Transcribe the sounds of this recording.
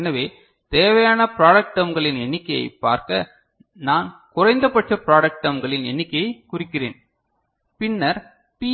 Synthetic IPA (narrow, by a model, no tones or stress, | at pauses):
nɐʋeː | t̪eːʋɐjaːnɐpɪɾaːɽɐk̚ʈɐmɡɐɭɪnɛɳːɪkːɐjɐ̰ɪpːa̰ːɾkɐ | naːnkʊrɐɪnd̪ɐpːɐʈrɐpɪɾaːɽɐk̚ʈɐmɡɐɭɪnɛ̰ɳːɪkːɐjɐɪkʊrɪkːɪrḛːn | pɪnːɐɾ | pi